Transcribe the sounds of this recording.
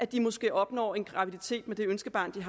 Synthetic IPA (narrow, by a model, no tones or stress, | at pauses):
ʔæd̥imɒ̽sɡ̥e̝̰ːɒ̽b̥nɒ̰ːe̝nɡ̥ʁɑ̈ʋid̥it͡sʰe̝̰ːd̥med̥e̝ønsɡ̥əb̥ɑ̈ːnd̥iɦ